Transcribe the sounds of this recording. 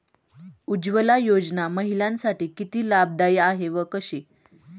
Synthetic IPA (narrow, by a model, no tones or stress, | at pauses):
ud͡ʑʋəlajod͡znaməɦilãnsaʈiːkit̪iːlab̚d̪ajaɦeʋəkəɕe